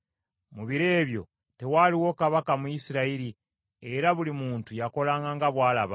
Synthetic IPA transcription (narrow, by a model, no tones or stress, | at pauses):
muβiɾe̞ːβjo̞̰ | te̞waliwo̞kaβakamuisiɾaiɾi | e̞ɾaβulimuːntujako̞laːŋɡaŋɡaβwaːla̰βa̰